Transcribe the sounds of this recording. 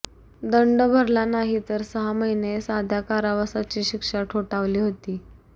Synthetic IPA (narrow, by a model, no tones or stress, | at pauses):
d̪əɳɖəbʱəɾlanaɦit̪əɾsəɦaməɦinesad̪ʱjakaɾaʋasat͡ɕiːɕikʂaʈʰoʈaʋliːɦot̪iː